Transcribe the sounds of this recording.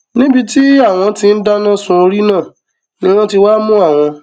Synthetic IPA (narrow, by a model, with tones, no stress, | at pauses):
nĩ˦bi˧ti˦a˦˨w̃ɔ̃˧ti˧n̩˦da˦nã˦sũ˦o˧ɾi˦nãː˦˨ | nĩ˦w̃ɔ̃˦ti˧waː˦mũ˦a˦˨w̃ɔ̃˧